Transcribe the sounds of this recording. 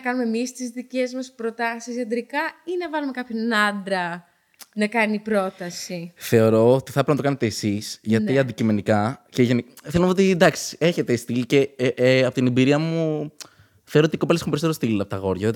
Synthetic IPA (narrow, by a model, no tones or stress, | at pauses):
ɐkɐnumemist̪izðice̞zmɐspɾo̞t̪ɐsisɐd̪ɾikɐinɐvɐlumekɐpçonɐnd̪ɾɐ | nɐkɐnipɾo̞t̪ɐsiθe̞o̞ɾo̞ot̪i̥θɐpɾnɐt̪oɐnet̪e̞ːsisʝɐniɐnd̪icime̞nikɐceʝeniθelomeot̪id̪ɐksi̥e̞çe̞t̪e̞st̪ilce̞ʔɐpo̞t̪inibiɾiɐmu | θeoɾot̪iko̞pelesxumpeɾsoeost̪ilɐpot̪ɐɣo̞ɾʝɐðet̪